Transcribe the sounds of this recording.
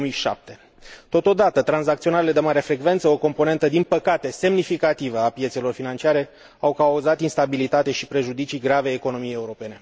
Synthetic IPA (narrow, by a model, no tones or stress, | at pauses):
miʃa̰p̚t̪e̞ | t̪o̞t̪o̞d̪at̪ət̪ɾanzak̚t̪sio̞naɾele̞d̪e̞maɾe̞fɾe̞ɡve̞nt̪səo̞ko̞mpo̞ne̞nt̪əd̪inpəkat̪e̞se̞mnifikat̪ivəapje̞t̪selo̞rfinant͡ʃiaɾe̞ | awkauzat̪inst̪abilit̪at̪e̞ʃipɾe̞ʒud̪it͡ʃiɡɾaveeko̞no̞mijeje̞uɾo̞pe̞ne̞